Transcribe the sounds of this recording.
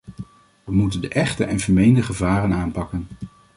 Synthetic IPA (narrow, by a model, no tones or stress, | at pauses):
ʋəmutəndəʔɛχtə̰ʔɛnvəɹmejndəχəvaːrənaːnpɑkən